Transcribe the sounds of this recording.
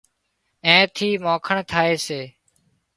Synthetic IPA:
ẽːt̪ʰiːmõːkʰəɳt̪ʰaːeːseː

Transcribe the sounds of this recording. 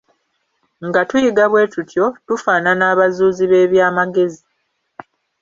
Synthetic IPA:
ŋɡatujiɡaβwe̞ːtutʰjo̞tufaːnanaːβazuːziβe̞ːβjaːmaɡe̞zi

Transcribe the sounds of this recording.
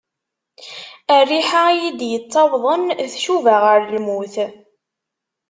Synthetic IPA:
ærːiħajid̪jət͡sˤːɑwðˤənθʃuvaʁəɾlmuθ

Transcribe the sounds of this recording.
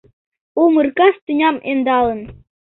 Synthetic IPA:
umɯrkɑst̪inʲɑmʔend̪ɑlˠɤ̆n

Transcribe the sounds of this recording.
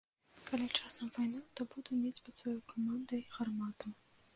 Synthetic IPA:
kalʲit͡ʂasɐmvajnat̪ɔbud̪umʲed͡zʲpɐt̪svajɔjkʰɔmand̪ɐɣarmat̪u

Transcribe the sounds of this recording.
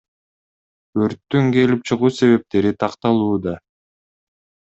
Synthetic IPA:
øɾt̪ːyŋke̞lip̚t͡ʃʰɯʁuːse̞βe̞p̚t̪e̞ɾit̪ʰɑqt̪ɑlˠuːd̪ɑ

